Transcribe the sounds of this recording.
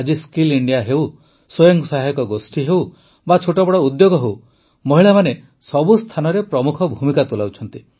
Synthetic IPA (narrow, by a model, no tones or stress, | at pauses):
d͡ʒiskiliɳɖijaɦew | sojɔŋsaɦakɔɡosʈiɦew | bat͡ʃʰoʈɔbɔɽɔud̪joɡɔɦew | mɔɦiɭamane | sɔbust̪ʰanɔɾepɾɔmukʰɔbʱumikat̪ulawt͡ʃʰɔnt̪i